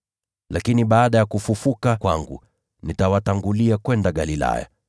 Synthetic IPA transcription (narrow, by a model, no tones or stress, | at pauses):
lakiniɓaːɗajakufufukakwa̰ŋɡṵ | nitawataŋɡuliakwɛndaɠalila̰ja̰